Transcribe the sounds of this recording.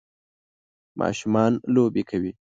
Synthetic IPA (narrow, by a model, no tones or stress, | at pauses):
mʔɑ̰ʃumɑnlobekʰawi